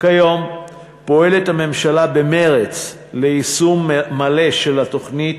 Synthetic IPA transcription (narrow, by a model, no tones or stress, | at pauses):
kajo̞m | po̞e̞le̞thame̞mʃalabe̞me̞ʁet͡s | leisumːale̞ʃe̞lato̞χnit